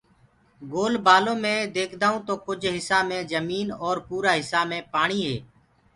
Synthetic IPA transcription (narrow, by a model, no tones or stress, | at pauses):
ɡoːlbaːlõːmẽːd̪eːkʰd̪aːũːt̪oːkʊd͡ʒʱɦɪsaːmẽːzəmiːnɔːɾpuːɾaːɦɪsaːmẽːpaːɳiːɦḛː